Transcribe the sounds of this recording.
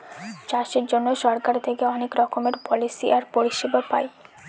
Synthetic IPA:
t͡ɕaʃeɾd͡ʑonːoʃɔɾkaɾt̪ʰekeɔnekɾɔkomeɾpɔlisiʔaɾpoɾiʃebapa̰j

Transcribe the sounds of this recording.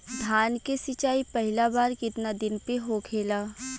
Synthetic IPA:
d̪ʱaːnkesɪt͡ʃaːipɛɦɪlabaːɾkɪt̪nad̪ɪnpeɦokʰeːlaː

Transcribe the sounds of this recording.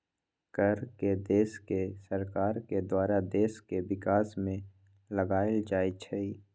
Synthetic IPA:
kəɾked̪eːskesəɾkaːɾked̪waːɾad̪eːskeʋɪkaːsmẽ | ləɡaːɪəld͡ʒaːit͡ʃʰɛi

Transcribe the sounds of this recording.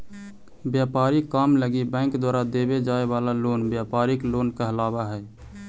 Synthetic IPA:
bjapaɾikːamləɡibə̃ɪŋkd̪waːɾad̪ebed͡ʒaebalaloːnbjapaɾiklonkəɦlabaɦɛː

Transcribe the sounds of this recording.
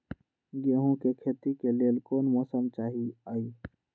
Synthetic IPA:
ɡeːɦõkekʰeːt̪ikeleːəlkoːnmɔːsəmt͡ʃaːɦiaːiː

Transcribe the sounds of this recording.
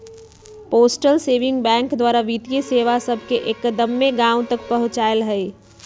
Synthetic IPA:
poːsʈəlseːʋɪ̃ŋɡ̚bɛ̃ːŋkd̪waːɾaʋit̪ijeseːʋasəbʱkeʔekd̪əmːeɡãːʊ̃t̪ək̚pəɦʊ̃t͡ʃaːɪlɦɛe

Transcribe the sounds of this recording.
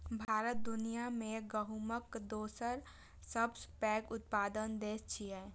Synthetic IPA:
bʱaːɾət̪̚d̪ʊnijamẽɡəɦuməkd̪oːsəɾ | səbspɛːkʊt̪̚paːd̪ənd̪eːst͡ʃʰiɛ

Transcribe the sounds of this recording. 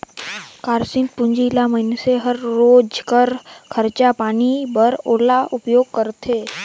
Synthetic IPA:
kaːɾsɪ̃n̚pʊ̃ɲd͡ʒilaməɦɪneseɦəɾːoːd͡ʒkəɾkʰəɾt͡ʃapaːnibəɾoːlaʔʊpjoːɡ̚kəɾt̪ʰeː

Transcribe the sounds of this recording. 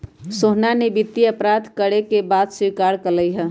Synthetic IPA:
soɦnanebit̪ːiəpɾad̪ʱkəɽekebad̪siɾkaɾkələjɦə

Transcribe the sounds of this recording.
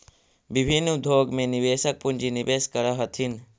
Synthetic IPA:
bɪbʱinːd̪ʱoːɡmẽnɪʋeːʃək̚pʊnd͡ʒinɪʋeːskəɾaɦət̪ʰin

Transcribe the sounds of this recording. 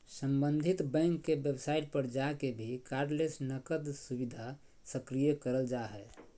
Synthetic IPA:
səmbənd̪ʱit̪bɛ̃ŋkːebjebsaiʈ̚pəɾd͡ʒakebʱikaɾɖlesnəkəd̪subid̪ʱa | səkɾijəkəɾəld͡ʒaɦɛ

